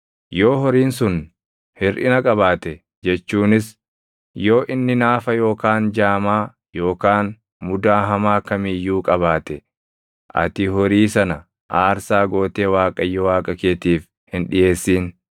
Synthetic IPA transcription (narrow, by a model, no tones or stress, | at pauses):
joːɦɔɾiːnsʊn | hɪɾʔɪ̰nɐkʼɐβaːt̪ɛ | d͡ʒɛt͡ʃːuːnɪs | jo̞ːʔɪnːɪnaːfɐjo̞ːkaːnd͡ʒaːmaː | jo̞ːkaːn | mʊd̪aːɦɐmaːkɐmɪjːuːkʼɐβaːt̪ɛ | ʔɐ̰t̪ɪɦɔɾiːsɐnɐ | ʔaːɾsaːɡo̞ːt̪e̞ːwaːkʼɐjːɔwaːkʼɐkeːt̪iːf | hɪnᶑɪje̞ːsːiːn